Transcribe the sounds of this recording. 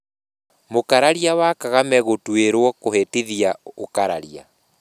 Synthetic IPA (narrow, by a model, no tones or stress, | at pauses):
mokaɾaɾiawakaɣamɛɣotweɾwɔkohetiðiaokaɾaɾia̰